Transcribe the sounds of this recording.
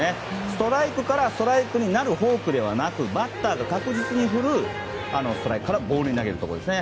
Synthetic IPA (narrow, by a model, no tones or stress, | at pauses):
e | sɨ̥t̪o̞ɾaikɯ̟kaɾast̪o̞ɾaikɯ̟ɲ̟inaɾɯ̟ɦo̞ːkɯ̟d̪e̞βanakɯ̟bat̪ːaːɡakakɯ̟ʑit͡sɨɲ̟iɸɯ̟ɾɯ̟ | anosɨ̥t̪o̞ɾaikɯ̟̥kːaɾabo̞ːɾɯ̟ɲinaɡe̞ɾɯ̟t̪o̞ko̞d̪esɨne